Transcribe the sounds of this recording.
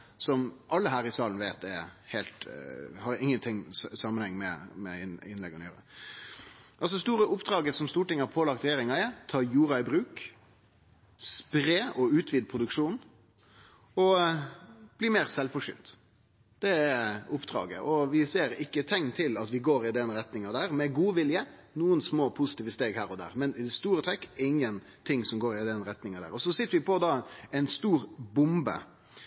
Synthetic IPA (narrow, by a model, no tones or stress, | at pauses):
sɔmʔɑlːəɦæːɾɪsɑːlən̩ʋeːt̪̚ɛ̰heːlt̪hɑɾɪŋːənt̪ʰɪŋːsɑmːənhɛŋmɛ̰mɛ̰ɪnɪnlɛɡɔnøːɾə̰ | ʔɑls̬ɔst̪uːɾəʔʊpd̪ɾɑːɡəsɔmst̪uːʈɪŋːəhɑɾpʰoːlɑk̚t̪ɾɛjeːɾɪŋɑɪt̪ʰɑːjuːɾɑɪbɾʉːk | spɾeːɔʉːt̪ʰʋɪd̪̚pʰɾʊd̪ʉkʂuːn | ɔ | b̥liːmeːɾsɛlfɔʂʏ̰ːnt̪ | d̪̥ɛɛʊpːd̪ʁɑ̰ːɡə̰ʔɔʋɪseːɾɪkːət̪ʰɛŋːt̪ʰɪlɑt̪ʋɪɡoːɾɪd̪ɛnɾɛt̪nɪŋɑd̪æːʁmɛɡuːʋɪljə | nuːənsmoːpʰʊsɪt̪iːʋəst̪eːɡhæːɾɔd̪æ̰ːʁmɛnɪd̪ɛst̪uːɾət̪ʰɾɛkːɪŋːən | t̪ʰɪŋsɔmɡoːɾɪd̪ɛnɾɛt̪nɪŋɑd̪æ̰ːɾɔsɔsɪt̪ːəɾʋɪpʰɔd̪ɑːɛɪnst̪uːɾbʊmbə̰